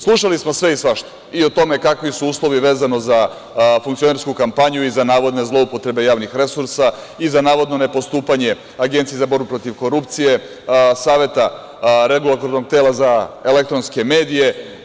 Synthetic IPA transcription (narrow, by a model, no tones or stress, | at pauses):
slˠuʃalismo̞sʋe̞isʋaʃt̪o̥ | io̞t̪o̞me̞kakʋisuuːslˠo̞ʋiʋeːzano̞za | fuŋkt̪io̞ne̞ɾskukampaɲuizanaːʋo̞d̪ne̞zlo̞upo̞t̪ɾe̞be̞jaːʋnixɾe̞suɾsa | izanaːʋo̞d̪no̞ne̞po̞st̪uːpaɲe̞ | aɡent̪siezabo̞ɾbupɾo̞t̪iʋko̞ɾupt̪sije̞ | saːʋe̞t̪a | ɾeɡulˠat̪oɾnoɡ̚t̪e̞ːlazaelek̚t̪ɾonske̞me̞ːd̪ije̞